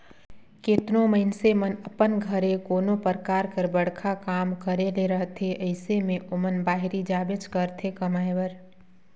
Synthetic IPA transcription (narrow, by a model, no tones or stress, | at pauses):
ket̪noməɪnsemənəpənɡʱəɾekoːnopəɾkaːɾkəɾbəɽ̤kʰakaːmkəɾeleɾəɦt̪ʰeʔəɪsemẽʔomənbaːɦɾid͡ʒaːbɪd͡ʒkəɾt̪ʰekəmaːjʋəɾ